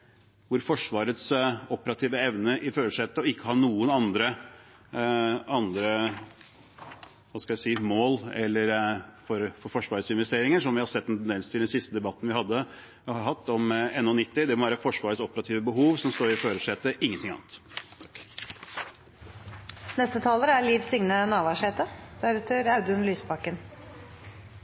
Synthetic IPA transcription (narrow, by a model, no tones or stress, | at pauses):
ʋʊɾfɔʂʋɑːɾət̪sɔpəɾɑt̪ʰiːʋəɛʋnəʔɪføːɾəʂɛt̪ːəɔɪkːəhɑɳuːənɑnd̪ɾə | ɑnd̪ɾə | ʋɑskɑlæsiːmoːlɛlːəɾfɔɾfɔɾfɔʂʋɑːɾəsɪnʋɛst̪eːɾɪŋənʂɔmʋɪhɑɾsɛt̪ːɛnt̪ʰɛnd̪ɛnst̪ʰɪld̪ɛnsɪst̪əd̪ɛbɑt̪ːənʋɪhɑd̪ːə | hɑɾɦɑt̪ːɔmɛnːʊnɪt̪ːɪd̪ɛmɔʋæːɾəfɔʂʋɑːɾəsɔpəɾɑt̪ʰiːʋəbəɦuːʋsɔmst̪oːɾɪføːɾəʂɛːt̪əʔɪŋːənt̪ʰɪŋɑ̰ːnət̪ | nɛst̪ət̪ʰɑːləɾəæliːʋsʏŋnənɑːʋɑʂeːt̪əd̪æɾɛt̪ʰəɾɑʉd̪ʉnlyːspɑkːən